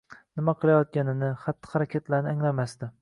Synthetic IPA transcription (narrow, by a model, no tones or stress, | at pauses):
nɪmaqʰɨlˠajɒt̪̚kʲanɪnɪχat̪ʰːɨ̥χaɾakʲʰet̪ʰlaɾnɪaŋlamasd̪ɪ